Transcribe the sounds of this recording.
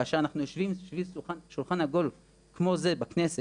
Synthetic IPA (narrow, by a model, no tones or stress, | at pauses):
aʃeʁanaχnujoʃvimoʃvisulχanʃulχanaɡo̞l | kmo̞ze̞bakne̞se